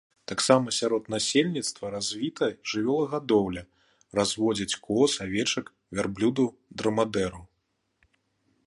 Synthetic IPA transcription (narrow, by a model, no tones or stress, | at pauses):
t̪aksamɐsʲaɾɔt̪nasʲelʲnʲit̪st̪vɐɾazʲvʲit̪ɐʐɨvʲɛlˠɐɣad̪ɔwlʲɐ | razvɔd͡zʲɐt͡sʲkʰɔsavʲɛt͡ʂɐk | vʲɛrblʲud̪ud̪ɾɐmad̪ɛɾu